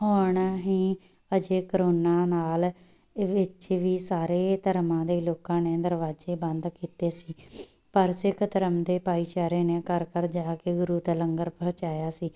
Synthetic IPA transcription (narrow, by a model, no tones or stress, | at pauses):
ɦoːɳaːɦiː | əd͡ʒeːkəɾoːnãːnaːl | ʋɪt͡ʃʋiːsaːɾeːt̪əɾmãːd̪eːloːkãːneːd̪əɾʋaːzeːbənd̪kiːt̪eːsiː | pəɾsɪkʰt̪əɾəmd̪eːpaːiːt͡ʃaːɾeːneːkəɾkəɾd͡ʒaːkeɡʊɾuːt̪ələŋɡəɾpəɦt͡ʃaːjaːsiː